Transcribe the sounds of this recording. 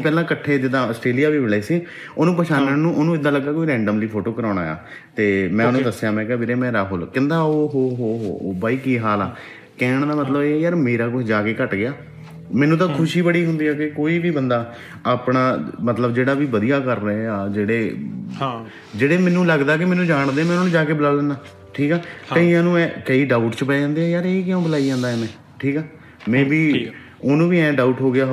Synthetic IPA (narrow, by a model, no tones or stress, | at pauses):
pɛːlãːkəʈʰːeːd͡ʒɪd̪ãːəsʈɾeːlijaːʋiːʋɪlaːiːsiː | oːnũːpəʃaːnənũːʔoːnũːɪd̪ãːləɡːaːkoːiːɾɛ̃ːɳɖəmliːpʰoːʈoːkəɾãːɳa̰ːja̰ː | t̪eːmɛ̃ːʊnũːd̪əsːjãːmɛ̃ːkːbeɾeːmɛ̃ːɾaːɦʊlkɪnd̪aːoːɦoːɦoːɦoːbaːiːkiːɦaːla̰ː | kɛːɳ̃d̪aːmət̪ləbeːjəɾmeːɾaːkʊt͡ʃʰd͡ʒaːkeːkəʈɡɪaː | mɛ̃ːnũːt̪̬ãːkʰʊʃiːbəɽiːɦʊnd̪iːɛːkɪkoːiːʋiːbənd̪aː | aːpɽaːmət̪ləbd͡ʒeːɽaːʋiːʋəd̪ijaːkəɾːəeaːd͡ʒeːɽeː | d͡ʒeːɽeːmɛ̃ːnũːləɡd̪aːkɪmɛːnːũːd͡ʒaːɳ̃d̪ẽːmɛːnːũd͡ʒaːkeːbəlaːlənaː | ʈʰiːkɛːəiãːnũːɛ̃ːkəiːɖaːʊʈt͡ʃpɛːd͡ʒãːnd̪eːɛ̃ːjaːɾeːkɪjãːbəlaːid͡ʒãːnd̪aːemɛ̃ː | ʈʰiːkɛː | mɛ̃ːbiː | oːnũːʋiːɛ̃ːɖaːʊʈɦoːɡɪjaː